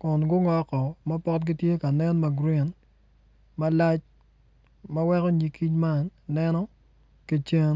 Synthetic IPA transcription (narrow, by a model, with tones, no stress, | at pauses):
kɔ˨nɡʊ˦ŋɔ˦kɔ˨mɐ˦pɔ˦tɡi˦tje˦ka˨nɛ˦nma˨ɡɾi˦˨n | mɐ˦la˦t͡ʃ | mɐ˦wɛ˦kɔ˦ɲi˨ki˦ɲma˦nːɛ˦nɔ˦ | ki˦t͡ʃe˦n